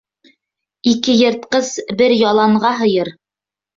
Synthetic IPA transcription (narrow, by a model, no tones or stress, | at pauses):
ikɘjɤ̆ɾt̪̚qɤzbɘɾjɑlˠɑɴʁɑɦɤ̆jɤɾ